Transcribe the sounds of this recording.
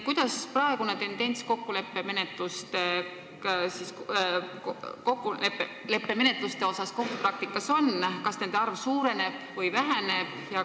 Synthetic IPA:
kujd̪̥ɑsprɑeɡ̥unet̪e̞nd̪̥e̞nʲt̪sko̞kːule̞pːe̞me̞ne̞t̪ˑlust̪e | sisk | ko̞kːˑuepːe | le̞pːe̞me̞ne̞t̪lust̪e̞o̞sɑsko̞kːuprɑk̚t̪ikːˑɑso̞nkɑsne̞nd̪̥eɑrvsuːɾe̞ne̞b̥vɯjvæɦæne̞b̥jɑ

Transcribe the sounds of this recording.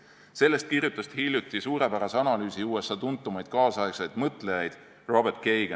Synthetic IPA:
se̞lːe̞st̪̚kirjut̪ːˑɑst̪hiljut̪ːˑisuːɾe̞pæɾɑseɑnɑlyːsiuːesɑt̪unt̪ːˑumɑjd̪̥̚kɑːsɑeksejd̪̥mɤt̪ˑle̞jɑjd̪̥ | ro̞bert̪̚ke̞jɡ̥e

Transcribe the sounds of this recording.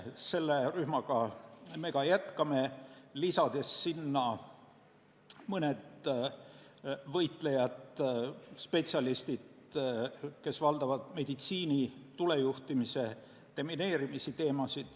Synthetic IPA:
se̞lːeryhmɑɡ̥ɑme̞kɑjæt̪kɑme̞lisɑd̪̥e̞sːinːɑ | mɤned̪̥ | vɤjt̪ˑle̞jɑt̪ | spe̞t̪siɑlist̪id̪̥ | ke̞svɑld̪̥ɑvɑd̪̥me̞d̪̥it̪siːnit̪ulejuht̪imise̞ | t̪emine̞ːɾimisit̪e̞ːmɑsid̪̥

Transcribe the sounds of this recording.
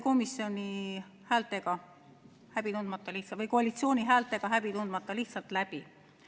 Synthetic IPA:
ko̞misːjo̞nʲi | hæːlt̪ˑe̞ɡ̥ɑ | hæb̥it̪und̪̥mɑt̪ːˑɑliht̪svɤjkoɑlit̪sio̞ːnʲiɦæːlt̪ˑe̞ɡ̥ɑɦæb̥it̪und̪̥mɑt̪ˑːɑliht̪sɑlt̪læbi

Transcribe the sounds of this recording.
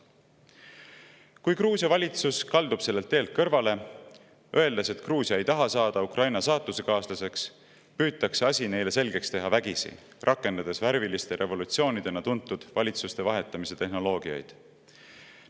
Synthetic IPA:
kujkruːsʲjɑvɑlʲit̪suskɑld̪upse̞lːe̞lt̪ːeːlt̪̚kɤrvɑle̞ | ʔø̞e̞ld̪ese̞t̪kruːsjɑejt̪ɑɦɑsɑːd̪̥ɑukrʔɑjnɑsɑːt̪ːˑuse̞kɑːslɑse̞ks | pyːt̪ːˑɑkseɑsʲine̞jle̞se̞lɡ̥e̞kst̪e̞ɦɑvæɡ̥isḭ | rʔɑkːˑe̞nd̪̥ɑd̪̥e̞svæɾvilist̪e̞ɾʔe̞vo̞lut̪sio̞ːnid̪̥e̞nɑt̪unt̪ːˑud̪̥vɑlʲit̪sust̪e̞vɑɦe̞t̪ˑːɑmise̞t̪e̞ɦno̞lo̞ːɡ̥iɑ̰jd̪̥

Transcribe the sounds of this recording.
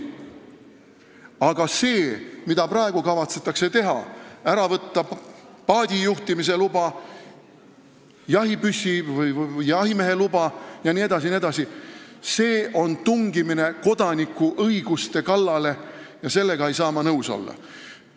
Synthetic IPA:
ɑɡ̥ɑse̞ːmid̪̥ɑpɾɑe̞ɡ̥ukɑvɑt̪set̪ːˑɑkse̞t̪e̞ɦɑ̰æɾɑvɤt̪ːɑpɑːd̪̥ʲijuht̪imis̬e̞lubɑ | jɑɦipysʲivɯjjjɑɦime̞ɦe̞lubɑjɑnie̞d̪̥ɑs̬inʲied̪ɑsise̞ːʔo̞nt̪uŋɡimine̞ko̞d̪̥ɑnikːˑuʔɤiɡ̥ust̪e̞kɑlːɑle̞jɑse̞lːe̞ɡ̥ɑejsɑːmɑnɤwso̞̰lːɑ̰

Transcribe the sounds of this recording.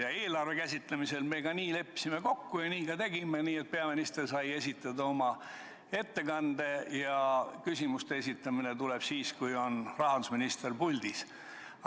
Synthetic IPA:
jɑeːlɑrve̞kæsʲit̪ˑlemise̞lme̞ːɡɑniːle̞pːi̥sime̞ko̞kːujɑniːkɑt̪e̞ɡ̥imeniːet̪̚peɑminist̪e̞rsɑje̞sʲit̪ːˑɑd̪ɑo̞mɑ | e̞t̪ːe̞kɑnd̪e̞jɑkysʲimust̪e̞e̞s̬ʲit̪ːˑɑminet̪uleb̥siːskujo̞nrɑɦɑnd̪usminist̪erpulʲd̪̥is

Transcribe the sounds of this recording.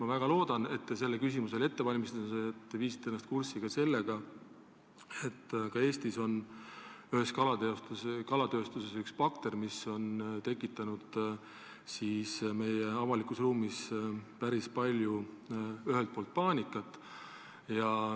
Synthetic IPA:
mɑvæɡ̥ɑlo̞ːd̪̥ɑne̞t̪ːese̞lːekys̬imuse̞le̞t̪ːe̞vɑlʲmist̪set̪ːeviːsi̥t̪ːˑee̞nːɑst̪̚kursiɡ̥ɑse̞lːe̞ɡ̥ɑ | e̞t̪ːkɑe̞ːst̪iso̞n | yɦe̞skɑlɑt̪eost̪kɑlɑt̪ø̞ːst̪use̞sykspɑkt̪e̞rmiso̞nt̪e̞kːˑit̪ːˑɑnud̪̥ | siːsme̞jeɑvɑlikusruːmispæɾispɑlʲju | yɦelt̪̚po̞ːlt̪̚pɑːnʲikːˑɑt̪ːˑ | jɑ

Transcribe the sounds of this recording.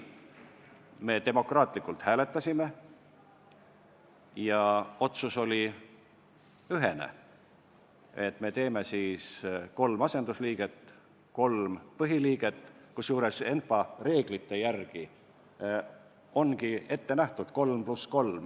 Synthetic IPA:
me̞ːt̪e̞mo̞krɑːt̪ˑlikːˑult̪hæːle̞t̪ːˑɑsʲime̞ | jɑo̞t̪suso̞lʲi | yɦe̞nḛ | et̪me̞t̪e̞ːme̞siːsko̞lmɑse̞nd̪̥usliːɡ̥e̞t̪ | ko̞lmpɤɦiliːɡ̥e̞t̪ː | kusjuːɾe̞se̞nfɑre̞ːɡ̥lit̪ːˑe̞jærɡ̥i | o̞nɡie̞t̪ːe̞næht̪ud̪̥ko̞lmplusko̞lm

